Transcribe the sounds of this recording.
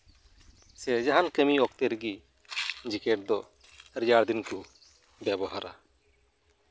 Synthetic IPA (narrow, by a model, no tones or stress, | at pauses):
sɛd͡ʒaɦankɛmiɔk̚t̪ɛɾɡi | d͡ʒikɛʈ̚d̪ɔ | ɾijaɽd̪inku | bjabɔɦaɾa̰